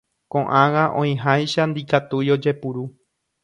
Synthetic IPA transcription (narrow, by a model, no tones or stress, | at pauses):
kõʔãwaʔõĩɦajʃand̪ikat̪ujo̞d͡ʒe̞puɾu